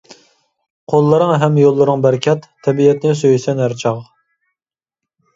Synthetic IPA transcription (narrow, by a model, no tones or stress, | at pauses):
qʰolˠːɨɾəŋɦɛmjolˠːɨɾɨŋbæɾkʲʰɛt̪ʰːɛbiɛt̪nɪsøjysɛnæɾt͡ʃʰɑʁ